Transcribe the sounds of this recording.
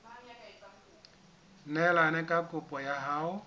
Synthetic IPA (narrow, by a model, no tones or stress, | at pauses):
nɛlanɛkʼakʼʊpʼɔjaɦaʊ